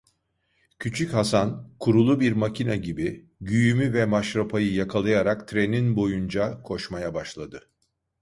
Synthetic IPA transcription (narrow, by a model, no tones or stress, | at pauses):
cʰyt͡ʃʰychasankʰuɾulˠubiɾmacʰinaɟibi | ɟyjymyvɛmaʃɾapʰajɯjakʰalˠajaɾakt̪ʰɾeninbo̞jund͡ʒakʰo̞ʃmajabaʃlˠad̪ɯ